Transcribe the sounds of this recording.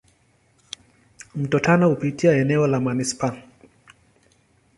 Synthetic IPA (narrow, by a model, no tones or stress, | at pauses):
m̩tɔtanɔhupitiaɛnɛɔlamanisi̥pan